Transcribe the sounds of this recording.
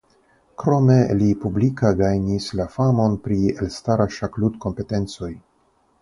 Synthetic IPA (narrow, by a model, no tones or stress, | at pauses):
kɾo̞me̞lipublikaɡajnislafamo̞npɾie̞̰lstaɾaʃaklutko̞mpe̞te̞nt͡so̞j